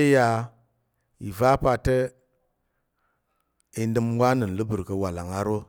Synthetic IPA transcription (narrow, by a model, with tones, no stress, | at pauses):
ja˨ | i˨va˦pa˨te˦ | i˨n˦də˦mwa˦nə˨n˨lu˦bu˨ɾkə˨wa˨la˨ŋa˦ɾo˦